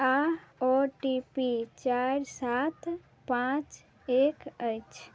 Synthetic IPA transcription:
aɔʈipit͡ʃaɾsat̪ | pãt͡ʃ | ekət͡ʃʰ

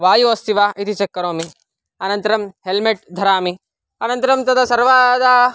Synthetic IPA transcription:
ʋaːjuost̪iʋaːʔit̪it͡ʃɐkːɐɾoːmi | ɐnɐnt̪ɐɾɐmɦelmeʈd̪ʱɐɾaːmi | ɐnɐnt̪ɐɾɐmt̪ɐd̪ɐsɐɾʋaːd̪a

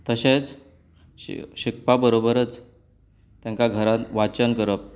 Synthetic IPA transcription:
t̪əɕet͡s | ɕik̚pabəɾobəɾət͡s | t̪jãŋkaɡʱəɾat̪ʋat͡ɕənkəɾəp̚

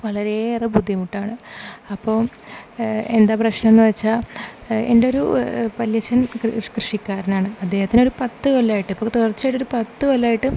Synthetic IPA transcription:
ʋɐɭɐɾe̞ːrɐbud̪ʱːjimuʈːaːɳɨɐpːoː | e̞nd̪aːprɐɕnɐmenːɨʋɐt͡ɕːaːendeo̞ɾṵpɐljɐt͡ɕːɐnkrɨʂikʲːaːɾɐnaːɳɨɐd̪ːe̞ːhɐt̪ːinoɾupɐt̪ːɨkolːaːjiʈːipːot̪uɐrt͡ɕːaːjʈːo̞ɾupɐt̪ːɨkolːaːjiʈːɨ

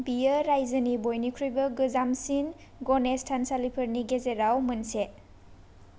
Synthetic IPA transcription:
bijəɾajzɐnibojnikʰɾujbɐɡɯzamsin | ɡɔnestʰansalipʰɔɾniɡezeɾawmɐnse

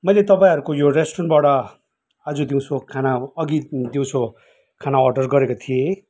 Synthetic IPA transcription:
mʌjlet̪ʌpaĩɦʌɾukojoresʈrʌnbaɽʌ | ad͡zod̪iw̃sʰokʰanaʌɡid̪iw̃sʰo | kʰanaɔrɖʌrɡʌɾekot̪ʰije

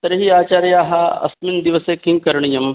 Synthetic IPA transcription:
t̪ɐɾɦiːaːt͡ʃaːɾjaːɦɐɐ̰smind̪iʋɐseːkiŋɡkɐɾɳ̃ijɐm

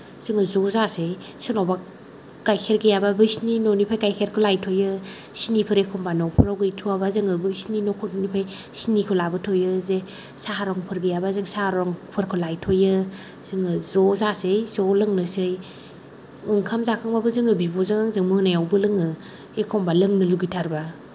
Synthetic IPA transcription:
z̥ɯŋɯzɔzasej | sɯnawba | kajkʰeɾɡɯjababɯjsninɔnipʰajkajkʰeɾkʰɯlajtʰɔjɯ | sinipʰɯɾekʰɔmbanɔpʰɯɾawɡɯjtʰuabazɯŋɯbɯsninɔkʰnipʰaj | sinikʰɯlabɯtʰɔjɯze | saɦaɾɔŋpʰɯɾɡɯjabazɯŋsahaɾɔŋpʰɯɾkʰɯlajtʰɔjɯ | z̥ɯŋɯzɔzasɯjzɔlɯŋnɯsɯj | ɯŋkʰamzakʰaŋbabɯzɯŋɯbibɔzɯŋaŋzɯŋmɯnajawbɯlɯŋɯ | ekʰɔmbalɯŋnɯluɡitʰaɾba

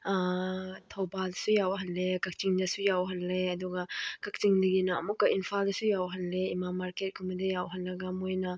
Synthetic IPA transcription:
tʰowbaldɐsujawɦɐnlekɐk̚t͡ʃiŋdɐsujawɦɐnleɐduɡɐkɐk̚t͡ʃiŋdɐɡinɐːmukːɐʔinpʰaldɐsujawɦɐnleimamaɾket̚kʰumɐdɐjawɦɐnlɐɡɐmojnɐ

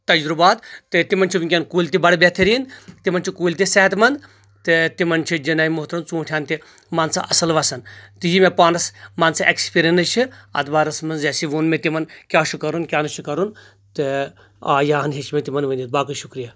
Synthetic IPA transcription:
t̪ɐd͡ʒɾubaːt̪ːɨt̪imɐnt͡ʃʰiʋiŋkʲankuːlʲt̪ibɐɽbet̪ʰiɾiːnt̪imɐnt͡ʃʰikuːlʲt̪̬isɛɦt̪mɐn | t̪ɨt̪imɐnt͡ʃʰid͡ʒɐnaːjimʊɦt̪ɾɐmt͡sũːʈʰjaːnt̪i | maːnsa̰ʔɐsɐlʋɐsɐnt̪ɨjimẽpaːnɐsmaːnsaʔekspiːɾʲjɐnɐt͡ʃʰiɐ̰t̪baːɾɐsmɐnzeːsiʋunmẽt̪imɐnkʲaːʃukɐɾunkʲaːnɨʃukɐɾun | t̪ɨ | aːjaːɦɐnɦit͡ʃmẽt̪imɐnʋɐnit̪̚baːkɐʃukɾijaː

